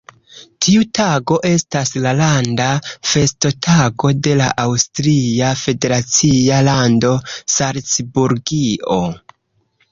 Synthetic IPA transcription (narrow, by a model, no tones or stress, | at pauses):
tʰiutaɡo̞ʔe̞staslalandafe̞sto̞tʰaɡo̞de̞laʔawstɾiafe̞de̞ɾat͡sialando̞saɾt͡sbuɾɡio̞